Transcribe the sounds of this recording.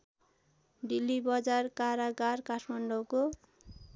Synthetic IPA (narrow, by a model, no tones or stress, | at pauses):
ɖilːibʌd͡zarkaɾaɡarkaʈʰmaɳɖɔko